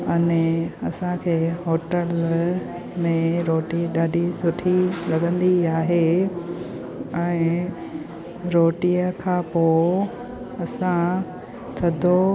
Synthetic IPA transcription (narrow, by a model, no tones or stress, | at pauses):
ɐneɐsãkʰeːɦoːʈəl | mẽɾoːʈiɗaːɖʱisʊʈʰilɐɠə̃nd̪iaːɦe | ɛ̃ɪ | ɾoːʈiəkʰãːpoː | ɐsã | t̪ʰɐd̪ʱo